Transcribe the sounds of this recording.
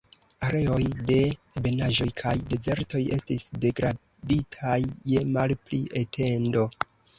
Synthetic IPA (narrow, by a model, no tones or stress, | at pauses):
aɾe̞o̞jde̞ebe̞naʒo̞jkʰajde̞ze̞ɾto̞je̞stisde̞ɡɾa | ditʰajːemalpliʔetʰe̞ndo̞